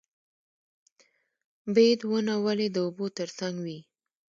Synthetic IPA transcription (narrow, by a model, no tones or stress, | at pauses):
bed̪wənawaled̪əobot̪əɾsaŋɡwi